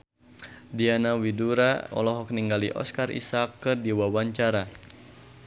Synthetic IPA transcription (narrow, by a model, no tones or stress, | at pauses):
dianawiduɾaɔ̰lɔɦɔk̚niŋɡaliʔɔ̰skarʔḭsakːɨrdiwawaɲt͡ʃaɾa